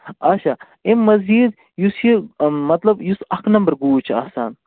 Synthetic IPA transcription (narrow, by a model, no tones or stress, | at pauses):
ɐt͡ʃʰa | emɐziːd̪ | jusimɐt̪lɐbjusɐkʰnɐmbɐɾɡuːt͡ʃʰiɐːsa̰ːn